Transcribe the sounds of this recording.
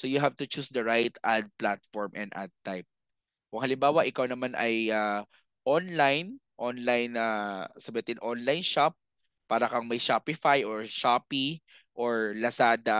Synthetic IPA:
sojʊɦavt̪ʊt͡ʃusd̪ɐɹajt̪ʔad̪̚plat̪fɔɹmʔɛ̰nd̪ʔa̰d̪̚t̪ajp̚ | wɐŋhɐlɪmbaːwɐʔɪkawnɐmanʔɐjaː | ʔonlajnʔonlajnasɐbɐt̪ɪnʔonlajnʃap̚ː | aːɾɐkɐŋmɐjʃapɪfajʔɔɹʃapi | ʔoɹlɐsaːd̪ɐ

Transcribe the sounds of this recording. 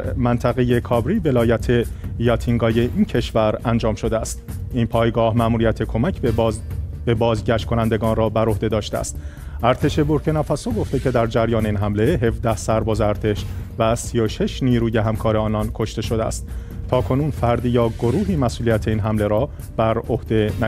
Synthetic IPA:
mænt̪ʰæɣe̞je̞kʰɒbɾiːve̞lɒːjæt̪ʰe̞jɒt̪ʰiŋɡɒːje̞ʔincʰe̞ʃvæɾænd͡ʒɒːmʃo̞d̪eæst̪iːnpʰɒːjɡɒːhmæʔmuːɾijæt̪ʰe̞kʰo̞mæcʰ | be̞bɒːzɟæʃt̪̚kʰo̞nænd̪e̞ɡɒːnrɒːbæɾo̞hd̪e̞d̪ɒːʃt̪eæ̰st̪ | ʔæɾt̪ʰe̞ʃe̞boɾcʰenæfæsoɡo̞ft̪e̞cʰe̞d̪æɾd͡ʒæɾjɒːneinɦæmle̞ɦe̞vd̪æhsæɾbɒːzeæɾt̪ʰe̞ʃvæsio̞ʃe̞ʃniːɾuːje̞ɦæmkʰɒːɾeɒːnɒnkʰo̞ʃt̪e̞ʃo̞d̪eæ̰st̪ | t̪ʰːɒːkʰo̞nuːnfæɾd̪iːjɒːɡo̞ɾuːɦiːmæsʔuːlijæt̪ʰe̞iːnɦæmle̞ɾɒː | b̥æɾohd̪e̞næ

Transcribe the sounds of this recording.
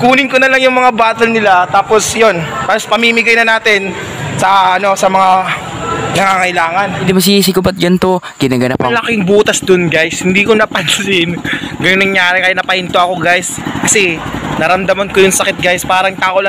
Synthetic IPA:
kuːnɪŋkonɐlɐŋjʊŋmɐŋabaːt̪ɐlnɪlat̪aːpo̞sjonp̪aːospɐmimɪɡajnɐnaːt̪ɪn | sɐɐno̞sɐmɐŋa | nɐŋaːŋɐɪlaːŋɐnɪd̪imɐs̬ɪiːs̬ɪkobɐt̪̚d͡ʒɐnt̪o | ɡ̥ɪnaɡɐnɐ̰plɐkɪŋbuːt̪ɐsd̪onɡajshɪnd̪iːkonɐpɐnsɪnɡɐjonɐŋjaːɾɪkɐjanɐpɐʔɪnt̪oʔɐko̞ɡajs | kɐsɛnɐɾɐmd̪ɐmɐnkojʊŋsɐkɪt̪̚ɡajspaːɾɐŋt̪aːkolɐ

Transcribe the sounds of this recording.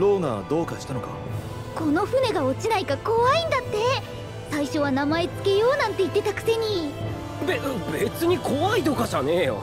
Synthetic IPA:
ɾo̞ːna̰ːd̪o̞ːkaɕi̥t̪ano̞ka̰ | ko̞no̞ɸɯne̞ɡao̞t͡ɕinaikako̞βaĩnd̪at̪ːe̞ | saiɕo̞β̞anamae̞t͡sɨ̥ke̞jo̞ːnãnt̪e̞it̪ːe̞t̪akɯ̟̥se̞ɲ̟i | bebe̞t͡sɨɲ̟iko̞βait̪o̞kaɕane

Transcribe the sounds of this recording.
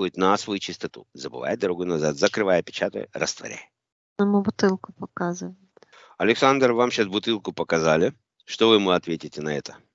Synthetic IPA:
ojɪt̪nɐsvɐjut͡ɕɪst̪ɐt̪ṵzəbɨ̰va̰jəd̪ɐɾɐɡojʊnɐzat̪zəkɾɨvajəpʲɪt͡ɕat̪ə̰jə̰ɾə̰st̪vɐ̰ɾʲa̰j | nɐmʊbʊt̪ɨlˠkəpɐkazɨvəjt̪ | ɐlʲɪksand̪rvamɕasbʊt̪ɨlˠkʊpəkɐzalʲɪ | ʂt̪ovɨmɨɐt̪vʲetʲɪtʲɪnɐɛt̪ə̥

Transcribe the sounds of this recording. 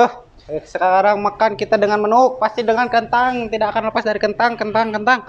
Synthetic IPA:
ʊh | səkaɾaŋmakankit̪adəŋanmənuk̚past̪idəŋankənt̪aŋt̪idaːkanləpasdaɾikənt̪aŋkənt̪aŋkənt̪aŋ

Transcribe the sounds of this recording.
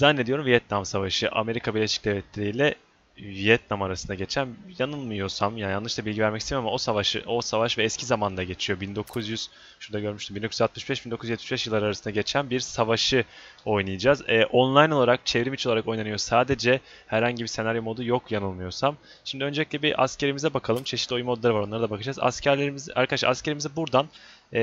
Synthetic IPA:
zanːed̪io̞ɾumvijɛt̪̚namsavaʃɯʔa̰me̞ɾikʰabiɾlʲeʃi̥c̚d̪evʲɛt̪lʲeɾijlʲɛ | vijɛt̪namaɾasɯnd̪aɟe̞t͡ʃʰænjanɯlˠmɯjo̞samjajanlɯʃlˠabilʲɟivæɾmɛcist̪ʰejamao̞savaʃɯʔo̞savaʃvɛːscʰizamand̪aɟe̞t͡ʃʰijo̞bind̪o̞kʰuzjyz̥ | ʃuɾd̪aɟø̞ɾmyʃt̪iminokʰyzat̪mɯʃbɛʃb̥ind̪okujzjɛt̪my̥ʃbɛʃ̬jiɯlˠːaɾaɾasɯnd̪aɟe̞t͡ʃʰænbiɾsavaʃɯ | o̞jnˠɯjad͡ʒaːzɛːʔo̞nlˠajno̞lˠaɾak̚t͡ʃʰevɾimit͡ʃʰoaɾako̞jnanɯjo̞saːd̪e̞d͡ʒɛ | hæɾhaɲɟibise̞naɾjo̞mo̞d̪ujo̞kjanɯlˠmɯjo̞ɾsam | ʃimd̪iø̞nd͡ʒe̞lʲiclʲɛbiʔa̰sce̞ɾimizɛbakʰalˠɯmt͡ʃʰe̞ʃit̪lʲo̞jumo̞d̪ulˠaɾɯvaɾo̞nˠaɾɯd̪abakʰɯd͡ʒaːza̰scʰæɾlʲeɾimizɛʔa̰ɾkʰadaʃlˠaɾascʰe̞ɾimizɛbuɾd̪anː

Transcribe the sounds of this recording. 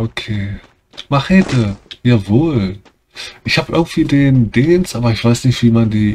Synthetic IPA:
ʔokʰeː | maχɛtʰəjaːvoːl | ʔɪçhaːbəʔɪ̰ɐɡŋ̩tv̥iːdeːndeːnstʔaːbɐɪçv̥aɪsnɪçtv̥iːmandiː

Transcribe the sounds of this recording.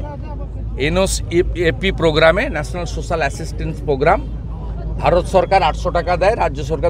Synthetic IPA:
enosepipɾoɡɾamenɛʃonalsoʃalɛsisʈenspɾoɡɾam | bʱaɾot̪ʃɔɾkaɾaʈʃɔʈakad̪aeɾad͡ʑːoʃɔɾka

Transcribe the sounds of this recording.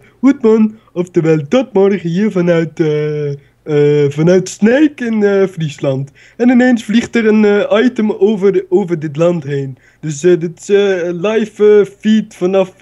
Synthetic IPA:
hutmɑn | ɔftəʋɛldɔt̚mɔrχəhiːɹfɑnœɥtə | vɑnœɥtsnejkɪnəfrislɑnt | ɛnɪneːnsfliχtəɾənːɑjtəmoəoːvərdɪt̬lɑntɦeːn | d̥øs̬ədɪtɪ̥slɑjfəfitfɑnɑf

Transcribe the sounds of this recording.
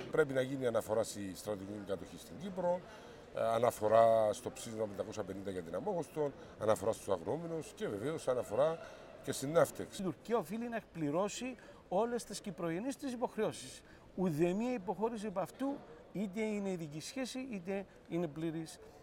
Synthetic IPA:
pɾe̞pinɐʝiniɐnɐfo̞ɾast̪ist̪ɾɐt̪iciiŋkɐt̪o̞çist̪iɲɟipɾo̞n | ɐnɐfo̞ɾast̪o̞psizmɐpend̪ɐko̞sɐpe̞nind̪ɐʝɐt̪inɐmo̞ɣost̪o̞n | ɐnɐfo̞ɾɐst̪usɐɣno̞menosce̞veveo̞sɐnɐfo̞ɾa | cest̪inːɐft̪eksit̪uɾciɐofilinɐekpliɾo̞si | o̞le̞st̪escipɾojenist̪is̬ipo̞xɾeo̞si̥s | uðemiɐipo̞xo̞ɾis̬iepɐft̪u | it̪̬eine̞iðicisçe̞siʔit̪e | ine̞pliɾis

